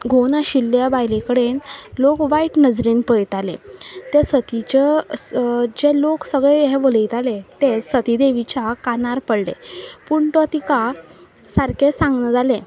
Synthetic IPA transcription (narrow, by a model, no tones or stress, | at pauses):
ɡʱonaɕilːjabajlekəɽenlokʋaiʈnəd͡zɾiːnpəjit̪alḛ̃t̪esət̪it͡ɕe | d͡ʑeloksəɡɭejɛʋoləjt̪alet̪esət̪id̪eʋit͡ɕakanaɾpəɽlḛpuɳʈɔt̪ika | saɾkesãŋɡnəd͡zalẽ